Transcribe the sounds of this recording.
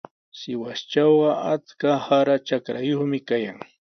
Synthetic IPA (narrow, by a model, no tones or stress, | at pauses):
sɪwast͡ʃawɢɑat͡skahaɾat͡ʃakɾajoχmɪkajaŋ